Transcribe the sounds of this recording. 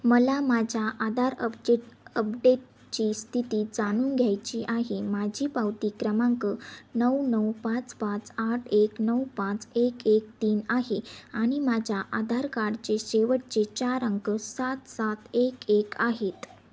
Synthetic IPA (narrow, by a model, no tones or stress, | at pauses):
məlamad͡ʑʱjaʔad̪ʱaɾəp̚eʈəp̚ɖeʈ̚ | t͡ɕist̪ʰit̪iːd͡zañuːnɡʱjajt͡ɕiʔaɦemad͡ʑʱiːpawt̪iːkɾəmãŋkənəwnəwpãt͡spãt͡saʈʰeknəwpãt͡sekek̚t̪iːnaɦeaɽ̃imad͡ʑʱjaʔad̪ʱaɾkaɽt͡ɕeɕeʋəʈ̚t͡ɕet͡ɕaɾəŋkəsat̪sat̪ekekaɦet̪